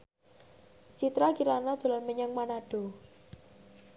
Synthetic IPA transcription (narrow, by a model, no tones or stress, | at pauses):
t͡ʃit̪ɾakiɾanad̪̥o̤lanməɲaŋmanaɖ̥ɔ̤